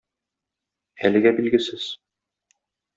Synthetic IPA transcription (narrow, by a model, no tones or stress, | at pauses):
ælɘ̆ɡæbilɡɘ̆sɘz̥